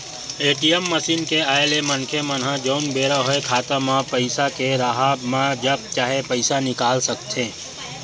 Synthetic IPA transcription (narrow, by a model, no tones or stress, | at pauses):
eːʈiəmːəsiːnkeaːjlemənkʰemənɦãd͡ʒoʊnbeːɾaɦoekʰaːt̪amãpəɪsakeɾaɦaːbmãd͡ʒəb̚t͡ʃaːɦepəɪsanɪkaːlsɐk̚t̪ẽː